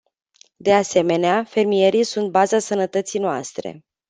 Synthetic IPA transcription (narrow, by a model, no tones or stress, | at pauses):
d̪e̞ase̞me̞neafe̞rmije̞ɾijsunt̪̚bazasənət̪ət̪sijnoa̰st̪ɾe̞̰